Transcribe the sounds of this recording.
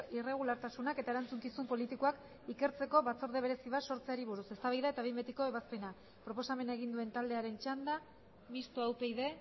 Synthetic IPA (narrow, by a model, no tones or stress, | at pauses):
ire̞ɣ̞ulaɾt̪asunake̞t̪ae̞ɾant͡suŋkisumpo̞lit̪ikoak | ike̞ɾt͡se̞ko̞βat͡so̞ɾðeβ̞e̞ɾe̞siβaso̞ɾt͡seaɾiβ̞uɾuse̞st̪aβajðae̞t̪aβimbet̪iko̞eβaspe̞na | pɾo̞po̞same̞nae̞ɣind̪ue̞nt̪ald̪e̞aɾe̞nt͡ʃand̪a | mist̪oawpe̞jðe̞